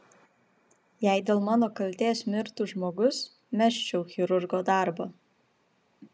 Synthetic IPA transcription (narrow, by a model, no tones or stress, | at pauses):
jæˑɪd̪ʲeːlˠmɑːnoːkɐlʲt̪ʲeːsmʲɪɾt̪ʊʒmoːɡʊs | mʲæʃʲt͡ʃʲɛʊxʲɪɾʊɾɡoːd̪ɑːɾbo